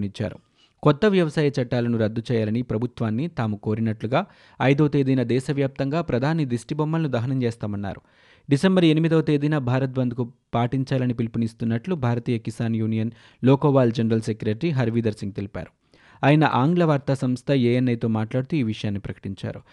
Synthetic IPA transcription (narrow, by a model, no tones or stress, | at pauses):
nit͡ʃːa̰ːɾu | kɔt̪ːɐʋjɐʋɐsaːjɐt͡ʃɐʈːaːlɐnuɾɐd̪ːut͡ʃɛːjaːlɐnipɾɐbʱut̪ʋaːnːit̪aːmuko̞ːɾinɐʈluɡaː | ɐjd̪ɐwt̪eːd̪iːnɐd̪ɛːʃɐʋjaːp̚t̪ɐŋɡaːpɾɐd̪ʱaːnid̪isʈibɐmːɐlɐnud̪ɐɦɐnɐmt͡ʃeɛːst̪aːmɐnːa̰ːɾu | ɖisembɐɾe̞nimid̪ɐwɐt̪eːd̪inɐbʱaːɾɐt̪̚bɐnd̪ukupaːʈiɲt͡ʃaːlɐnipilpunist̪unːɐʈlubʱaːɾɐt̪iːjɐkisaːnjuːnijɐn | lɔːkoːʋaːld͡ʒɐnɐɾɐlsekjuɾeʈɾiɦɐɾʋiːd̪ɐɾsiŋɡ̚t̪elipʲa̰ːɾu | aːjɐnɐʔaːŋɡlɐʋaːɾt̪asɐmst̪ʰɐjeːjenːɐjt̪o̞ːmaːʈlaːɽut̪uiːʋiʂɐjaːnːipɾɐkɐ̥ʈiɲt͡ʃa̰ːɾu